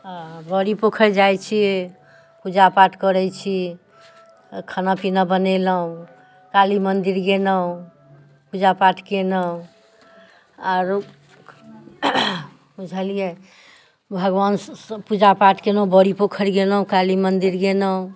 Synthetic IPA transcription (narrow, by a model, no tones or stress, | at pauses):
bəɾipokʰəɾd͡ʒajt͡ʃʰie | pud͡ʒapaʈkəɾɛt͡ʃʰi | kʰənapinəbənɛləɦũ | kalimənd̪iɾɡenəɦũ | pud͡ʒapaʈʰkenəũ | aɾ | ud͡ʒʱəlije | bʱəɡwanspud͡ʒapaʈkenəũbəɾipokʰəɾɡeləɦũkalimənd̪iɾɡenəũ